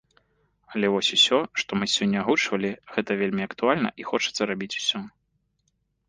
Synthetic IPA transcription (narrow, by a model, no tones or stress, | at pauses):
ɐlʲɛvɔsʲusʲɔʂt̪ɔmɨsʲɔnʲːɐaɣut͡ʂvɐlʲiɣɛt̪ɐvʲelʲmʲiɐkt̪ualʲnɐ̰ʔixɔt͡ʂɨ̥t̪sːɐɾabʲit͡sʲu̥sʲɔ